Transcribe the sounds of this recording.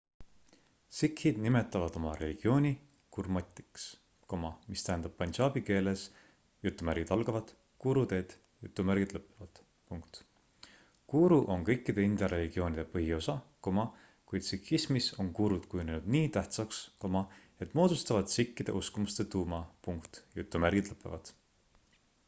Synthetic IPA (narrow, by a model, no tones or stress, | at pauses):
sikhid̪̥nime̞t̪ːˑɑvɑd̪̥o̞mɑɾe̞liɡ̥io̞ːnʲi | kurmɑt̪ʲˑːi̥ks | ko̞mɑmist̪æɦend̪ɑb̥̚pːɑnʲsɑːbike̞ːle̞s | jut̪ːˑumæɾɡid̪̥ɑlɡ̥ɑvɑd̪̥ | kuːɾud̪e̞ːd̪̥ | jut̪ːˑumæɾɡ̥id̪̥lɤpːˑevɑd̪̥ | puŋkt̪ | kuːɾuʔo̞ŋkɤjkːˑid̪̥e̞ind̪̥ɑɾe̞lʲiɡ̥io̞ːnʲid̪̥e̞pɤɦio̞sɑko̞mɑ | kujd̪̥sikːismiso̞ŋkuːɾud̪̥kujuninud̪̥niːt̪æht̪sɑksko̞mɑ | e̞t̪ːˑmo̞ːd̪ust̪ɑvɑd̪sikːid̪̥e̞̰ʔuskumust̪e̞t̪uːmɑpuŋkt̪jut̪ːˑumærɡ̥id̪lɤpːˑe̞̰vɑd̪̥